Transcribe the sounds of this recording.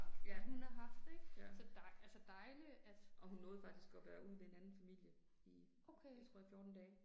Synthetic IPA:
d̥eb̥jæɐd̥hunhɑ̈ɦɑ̈fd̥eɡ̥səd̥ɑɪælsəd̥ɑ̈ɪliæd̥ʔɒ̽hunnɔ̽ːð̩ˠfɑ̈ɡ̥d̥isɡ̥ɒ̽ʋæːɐʔuð̰ˠʋee̝nænn̩fæmil̰jə | i | oʊkʰejat͡sʰoɔ̰ɐ̰jifjɔːd̥n̩d̥ɛː

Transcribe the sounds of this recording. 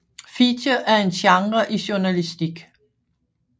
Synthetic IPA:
fidɐʔæɐe̝nɕɑ̈ŋʁɐʔiɕuɐnælisd̥iɡ̥

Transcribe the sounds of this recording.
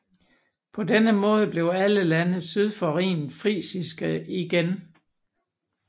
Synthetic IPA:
pʰɒ̽denəmɔ̽ːð̞ˠəb̥le̝ʊæləlænəsyð̞ˠfɒʁḭːnfʁḭːsisɡ̥əiɡ̥en

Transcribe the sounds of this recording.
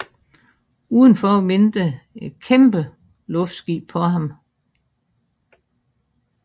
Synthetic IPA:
uːð̞ˠən̩fɒːme̝nd̥əe̝d̥kʰemb̥ə | lɔ̽fd̥sɡ̥ḭ̥ːpʰɒ̽ɦɑ̈m

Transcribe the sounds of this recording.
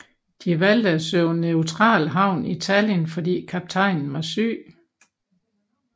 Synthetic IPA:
d̥iʋæld̥əæsøʊneʊt͡sʰʁɑ̰̈ːlɦɑ̈ʊ̰niit͡sʰæljənfɒ̽d̥ḭːkʰɑb̥̚t͡sʰɑ̈ɪ̰nn̩ʋɑ̈sy̰ː

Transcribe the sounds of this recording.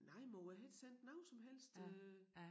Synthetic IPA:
nɑ̈ɪ̰mɔæɦed̥sen̰d̥nɑ̈ʊnsɒ̽mɦel̰sd̥

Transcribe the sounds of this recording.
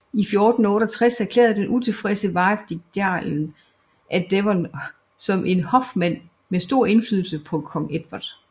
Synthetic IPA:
ifjo̝ːd̥n̩ɔ̽ːɾɒt͡sʰʁasæɐkʰlḛːɐð̞̩ˠd̥enʔut͡sʰe̝fʁɛsəʋɑ̈ɪʋd̥iɡ̥̚d̥ɑn | ʔæd̥eʋɒn | sɒ̽mʔe̝nhɒ̽fmæn̰ | mesd̥o̝ɐ̰e̝nfly̰ðˠl̩səpʰɒ̽kʰɒ̽ŋ̰ed̥ʋæd̥

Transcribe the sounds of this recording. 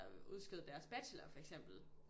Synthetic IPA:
uð̞ˠsɡ̥eð̩ˠd̥æɐsb̥æ̥slɐfɒ̽eɡ̥sem̰b̥l̩

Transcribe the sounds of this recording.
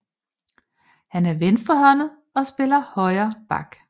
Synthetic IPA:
hænæɐʋensd̥ʁɐhɒ̽nð̩ˠ | ɒ̽sb̥e̝lɐhɒ̽ɪɐːb̥ɑ̈ɡ̥

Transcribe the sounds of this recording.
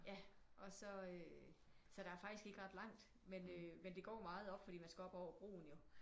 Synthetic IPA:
jæʔɒ̽sɒ̽ø | sɒ̽ɾ̥ɑ̈æɐfɑ̈ɡ̥d̥isɡ̥e̝ɡ̥əʁɑ̈d̥lɑ̈ŋ̰d̥ | menømend̥e̝ɡ̥ɒ̰ːmɑ̈ːð̞̩ˠɒ̽b̥fɒɾḭːmænsɡ̥ɛɒ̽b̥ɒʊ̰ɐb̥ʁṵːn̩jo̝

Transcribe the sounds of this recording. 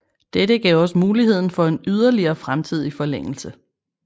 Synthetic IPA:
d̥eɾəɡ̥ɛ̰ʊɒ̽səmuːliɦhe̝ð̞̰ˠn̩fɒ̽e̝nyð̞ˠɐliɐːfʁamt͡sʰið̞̰ˠifɒ̽leŋ̰l̩sə

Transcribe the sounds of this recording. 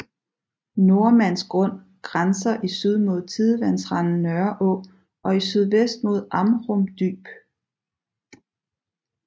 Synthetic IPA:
no̝ɐmæn̰sɡ̥ʁɔ̽n̰ | ɡ̥ʁansɐʔisyð̞ˠmo̝ð̞̰ˠt͡sʰiðˠəʋænsʁɑnn̩nœɐʔɔ̽ | ʔɒ̽isyð̞ˠʋesd̥mo̝ðˠʔɑ̈mʁɔmd̥y̰ːb̥

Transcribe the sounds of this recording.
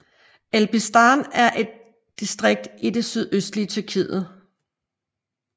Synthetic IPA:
elb̥isd̥ɑnæɐʔe̝d̥̚ː | isd̥ʁeɡ̥̚d̥ide̝syð̞ˠøsd̥liət͡sʰyɐkʰḭðð̩ˠ

